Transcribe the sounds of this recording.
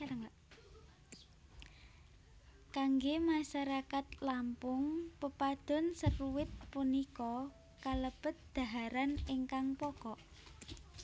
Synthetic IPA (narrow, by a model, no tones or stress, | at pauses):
kaŋɡemaʃaɾakat̪lampʊŋpəpad̪̥ɔ̤nsərwɪt̪̚punikɔ | kaləb̥ə̤t̪̚d̪̥a̤ɦaɾanɪŋkaŋpɔkɔʔ